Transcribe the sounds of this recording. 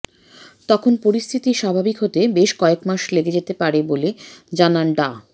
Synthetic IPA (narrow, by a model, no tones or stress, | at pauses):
t̪ɔkʰonpoɾist̪ʰit̪iʃabʱabikɦot̪ebeʃkɔekmaʃleɡed͡ʑet̪epaɾeboled͡ʑananɖa